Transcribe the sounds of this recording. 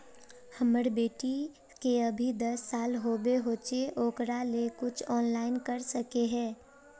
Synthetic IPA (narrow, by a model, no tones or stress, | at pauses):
hɐməɽbeːʈi | keɐbʱid̪ɐsːaːlɦoːbeɦoːt͡ʃeʔoːkɾalekʊt͡ʃʰɔːnlaːɪnkəɾsəkeɦɛ̃ː